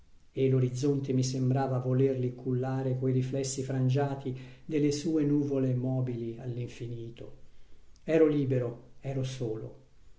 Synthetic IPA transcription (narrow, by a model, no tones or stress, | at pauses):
elːoɾid̪zːont̪emisembɾaːvavolerlikʰulːaːɾekojɾiflɛsːifɾand͡ʒaːt̪id̪elːesuːenuːvolemɔːbilialːiɱfiniːt̪o̰ | ɛːɾoliːbeɾoɛːɾosoːlo̰